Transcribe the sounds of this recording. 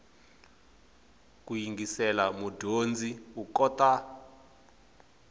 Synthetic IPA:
k̬ʼujiŋɡisɛlamudʱond͡zʱiukɔtʼa

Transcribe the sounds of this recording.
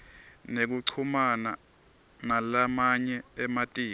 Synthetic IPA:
nek̬uǀʰumana | nalamaɲɛɛmatʼiː

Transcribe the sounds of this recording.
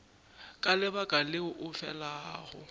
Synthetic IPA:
kʼalɪbakʼalɪʊʔʊfɛ̰laːɣʊ̰

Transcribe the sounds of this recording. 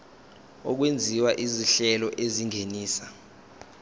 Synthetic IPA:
ɔk̬wend͡zʱiwaʔiziɬɛlɔʔeziŋʱeniːsa

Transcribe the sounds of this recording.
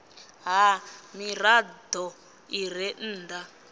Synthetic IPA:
ɦamiɾadɔ | iɾ̤ɛn̩ːda

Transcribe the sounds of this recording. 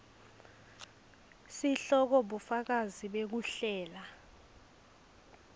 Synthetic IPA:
siɬɔk̬ɔɓufak̬aziɓek̬uɬɛːla

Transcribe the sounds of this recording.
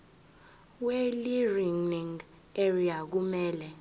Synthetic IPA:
weliriŋniŋ | eriak̬umɛːlɛ

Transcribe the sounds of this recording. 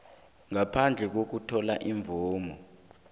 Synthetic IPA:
ŋapʰand͡ɮʱɛk̬ok̬utʰɔlaʔiɱvʱuːmɔ

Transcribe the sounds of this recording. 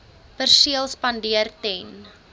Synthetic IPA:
pərsiəlˠspɐndiərtɛn

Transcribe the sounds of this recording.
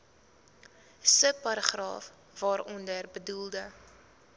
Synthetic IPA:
sək̚pɐɾəχrɑ̰ːf | vɑːɾɔndərbədulˠdə

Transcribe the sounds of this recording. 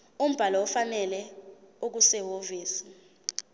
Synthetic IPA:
um̩b̥ʱalɔɔfanɛlɛok̬usɛɦoviːsi̥

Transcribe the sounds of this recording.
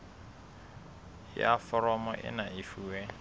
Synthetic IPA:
jafɔɾɔmɔʔɪ̰naɪfuːwɛ

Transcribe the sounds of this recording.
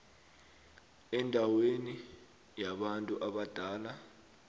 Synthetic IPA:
ɛndʱaweni | jaɓantʼuʔaɓad̥ʱaːla

